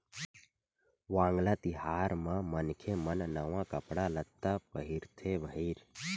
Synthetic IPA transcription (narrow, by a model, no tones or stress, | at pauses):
ʋãːŋɡlaːt̪iɦaːɾmãmənkʰemənnəʋãːkəpɽalət̪ːapəɦiɾt̪ʰeʋəɦiːɾ